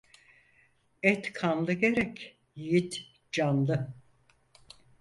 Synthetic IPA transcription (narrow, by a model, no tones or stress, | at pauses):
ɛt̪kʰanlˠɯɡe̞ɾɛc | jit̪ | d͡ʒanlˠɯ